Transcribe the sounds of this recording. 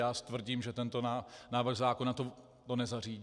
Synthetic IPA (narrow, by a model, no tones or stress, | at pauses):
jaːst̪vr̩ɟiːmʒɛt̪ɛnt̪onanaːvr̩ɣzaːkonat̪o | t̪onɛzar̝iːɟ